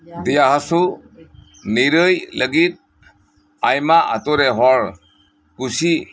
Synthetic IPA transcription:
dijaɦasu | niɾɯjləɡit̚ | ajmaʔa̰tɔɾeɦɔɾ | kusi

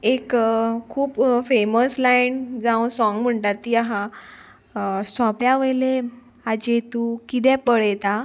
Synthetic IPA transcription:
ekkʰuːpfeməslajnd͡zãw̃sɔ̃ŋɡm̤əɳʈat̪ːiaɦã | sɔpjaʋəjle | ad͡ʑet̪ukit̪̬ɛ̃pəɽɛt̪a

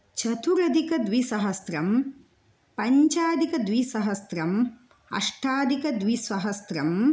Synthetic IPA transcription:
t͡ʃɐt̪uɾɐd̪ʱikɐd̪ʋisɐɦɐst̪ɾɐm | pɐɲt͡ʃaːd̪ikɐd̪ʋisɐɦɐst̪ɾɐm | ɐ̰ʂʈʰaːd̪ikɐd̪ʋisʋɐɦɐst̪ɾɐm

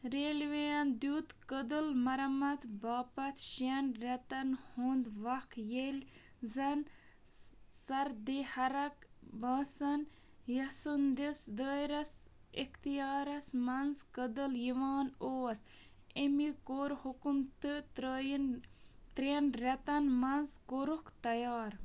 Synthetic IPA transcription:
ɾeːlʋejɐnd̪uːt̪kəd̪ɨlmɐɾɐmɐt̪ʰbaːpɐt̪ʰʃɐnɾɐt̪ɐnhũːnd̪ʋɐkʰjelʲ | zɐn | sɐɾd̪ehɐɾɐk | baːsɐn | jɐsund̪isd̪əːɾɐs | ixt̪ijaːɾɐsmɐnzkəd̪ɨljiʋaːnoːɐs | emikoːɾhukumt̪ɨt̪ːnt̪ɾenɾɐt̪ɐnmɐnzkoɾukt̪ɐjaːɾ

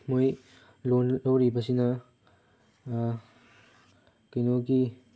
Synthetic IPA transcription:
moj | lolowɾibɐsinɐ | kɐjnoɡi

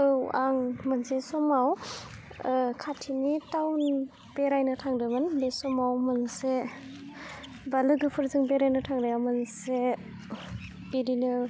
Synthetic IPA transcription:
ɯwaŋmansesɔmaw | kʰatʰinitawn | b̥eɾajnɯtʰaŋdɯmɯnbesɔmawmɯnse | balɯɡɯpʰɯɾzɯŋbeɾajnɯtʰaŋɾɯjawmɯnse | biɾinɯ

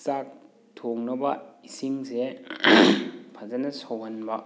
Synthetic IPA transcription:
sak̚ | tʰoŋnɐbɐ̰isiŋse | pʰɐzɐnɐsowɦɐnbɐ

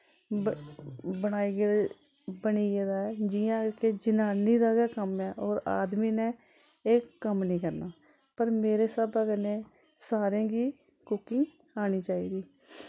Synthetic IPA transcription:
bəɽ̃aːiːɡeːd̪ | bəɳiːɡeːd̪aːɛːd͡ʒɪjãːkeːd͡ʒɪnaːniːd̪aːɡɛːkəmɛːʔɔːɾa̰ːd̪miːnẽː | eːkːəmnĩːkəɾnaː | pəɾmeːɾeːsəbaːkəneː | saːɾãːɡiː | kʊkɪŋɡ | aːɽ̃iːt͡ʃaːiːd̪iː

